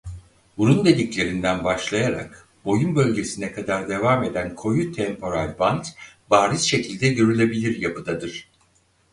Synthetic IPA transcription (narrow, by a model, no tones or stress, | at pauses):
buɾund̪e̞d̪iclʲe̞ɾind̪ænbaʃlˠajaɾa̰k | bo̞junbø̞lʲɟe̞sinɛkʰad̪aɾd̪e̞vaːme̞d̪ænkʰo̞jut̪ʰɛmpʰo̞ɾalʲbant̪baːɾisʃe̞cʰilʲd̪ɛɟø̞ɾylʲe̞bilʲiɾjapɯd̪ad̪ɯɾ̥